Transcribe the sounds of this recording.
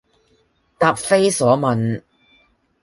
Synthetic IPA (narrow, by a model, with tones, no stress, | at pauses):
t̪aː˨p̚fe˥jsɔː˨˥mɐ˨n